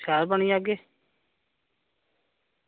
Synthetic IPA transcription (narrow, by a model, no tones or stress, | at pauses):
saːɾbəɳiːaːɡeː